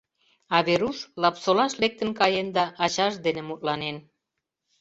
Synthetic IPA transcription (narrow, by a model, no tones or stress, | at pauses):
ɑβeɾuʃlɑpsolɑʃlek̚t̪ə̆nkɑjend̪ɑʔːt͡ɕɑʃd̪enĕmut̪̚lɑnen